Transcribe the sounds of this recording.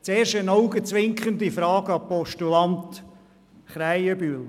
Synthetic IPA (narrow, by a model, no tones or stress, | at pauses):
t͡seːɾʃənɔwɡət͡sʋɪŋkχənd̪ifɾɑːɡəɑpɔʃtulɑnt̪ | χɾæjəbyːl